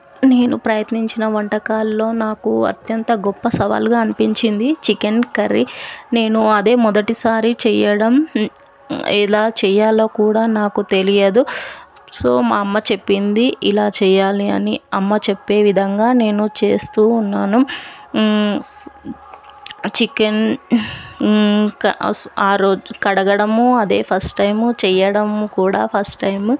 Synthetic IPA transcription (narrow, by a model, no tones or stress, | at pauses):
ne̞ːnupɾɐjɐt̪niɲt͡ʃinɐʋɐɳʈɐkaːlːo̞ːnaːkuɐ̰t̪jɐnt̪ɐɡɔpːɐsɐʋa̰ːlɡaːɐnipiɲt͡ʃind̪it͡ʃikenkɐɾine̞ːnuɐd̪e̞ːmɔd̪ɐʈisaːɾit͡ʃɛːjɐɽɐm | ɛ̰laːt͡ʃɛːjaːloːkuːɽaːnaːkut̪e̞lijɐd̪u | so̞ːmaɐmːɐt͡ʃe̞pːind̪iʔilaːt͡ʃɛːjaːliɐ̰niɐmːɐt͡ʃepːe̞ːʋid̪ʱɐŋɡaːne̞ːnut͡ʃe̞ːst̪uːnːaːnu | t͡ʃiken | kɐaːɾoːkɐɽɐɡɐɽɐmuɐd̪e̞̰ːpʰɐsʈːɐjmt͡ʃɛjɐɽɐmkuːɽa̰ːpʰɐsʈɐjm